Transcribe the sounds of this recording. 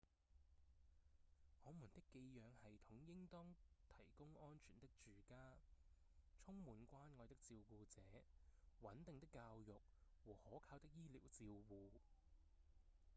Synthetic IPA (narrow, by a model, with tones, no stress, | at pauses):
hɔː˨˧muː˨˩nt̪ɪ˥kːe˧jjœː˨˧ŋhɐ˨jt̪ʰʊ˨˥ŋjɪ˥ŋt̪ɔː˥ŋt̪ʰɐ˨˩jkʊ˥ŋɔː˥nt͡ʃʰyː˨˩nt̪ɪ˥k̚t͡ʃyː˨kaː˥ | t͡sʰʊ˥ŋmuː˨˧nkʷaː˥nŋɔː˨˧jt̪ɪ˥k̚t͡siː˧wkuː˧t͡sɛː˨˦wɐ˨˥nt̪ɪ˨ŋt̪ɪ˥kːaː˧wjʊ˨k̚wɔː˨˩hɔː˨˥kʰaː˧wt̪ɪ˥k̚jiː˥lḭː˨˩wt͡siː˧wwuː˧